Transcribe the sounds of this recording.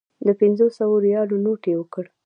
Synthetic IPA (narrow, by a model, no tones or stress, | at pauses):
d̪əpɪnzosawoɾijɑlonoʈewəkəɽ